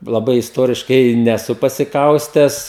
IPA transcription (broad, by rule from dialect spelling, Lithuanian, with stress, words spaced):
lˠɐˈbɐɪ ɪsˈtoːrʲɪʃkɐɪ nʲɛˈsʊ pɐsʲɪˈkɐʊsʲtʲæːs